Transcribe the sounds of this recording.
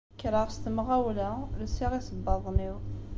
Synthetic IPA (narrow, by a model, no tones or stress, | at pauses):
kɾəʁst̪əmʁæwlæləsːiʁisəbːɑðˤniw